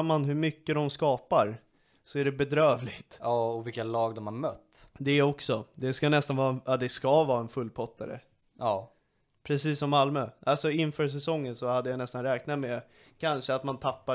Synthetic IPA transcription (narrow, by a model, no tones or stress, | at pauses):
manɦɵɾmʏkːəd̪ɔmskɑːpaɾ | sɔæɖɛbɛd̪ɾøːvlɪɡt̪ːɔvɪkːalɑːɡd̪ɔmhaɾmœt̪ːd̪ɛɔksɔd̪ɛskanɛst̪anvɑːɾɛnad̪ɛskavɑːɾaɛnfɵlːpʰɔt̪ʰːaɾə̰ː | pʰɾɛsiːsːɔmːalmøːʔalsɔɪnfœːɾʂ̬ɛsɔŋːənsɔhad̪ːəjanɛst̪anɾɛːknat̪mɛ | kʰanʂəat̪mant̪ʰapːa